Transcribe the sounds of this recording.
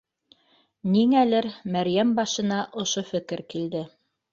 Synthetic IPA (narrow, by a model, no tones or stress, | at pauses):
niŋælɘɾmæɾjæmbɑʃɤ̆nɑʔŏʃofɘ̆kɘɾkild̪ɘ